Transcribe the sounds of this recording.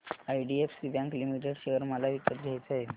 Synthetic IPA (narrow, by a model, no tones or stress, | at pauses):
ajɖiefsibjãŋklimiʈeɽɕeɦəɾməlaʋikəʈ̪ɡʱjajt͡saɦe